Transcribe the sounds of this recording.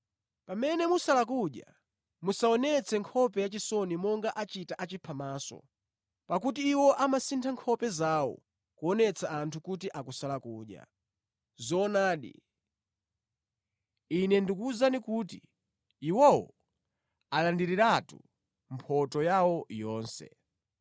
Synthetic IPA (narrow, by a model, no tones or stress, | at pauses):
pamɛnɛmusalak̬uɗja̰ | musaɔnɛt͡sʰɛŋkʰɔpɛjat͡ʃisɔnimɔŋɡaʔat͡ʃitaʔat͡ʃipʰamaːsɔ̰ | pakutiːwɔʔamasintʰaŋkʰɔpɛzawɔ̰ | kuɔnɛt͡sʰaantʰukut̬iʔakusalakuːɗja̰ | zɔːnaːɗḭ | inɛndikuzanikuːti | iwɔwɔ̰ | alandiɾiɾatu | mpʰɔtɔjawɔjɔːnsɛ̰